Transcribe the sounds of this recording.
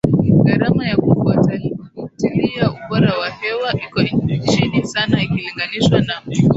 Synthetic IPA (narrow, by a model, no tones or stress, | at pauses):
ɡaɾamajakufuataikutilijauɓɔɾawahɛwaʔikɔiɲit͡ʃinisanaikiliŋɡaniʃwana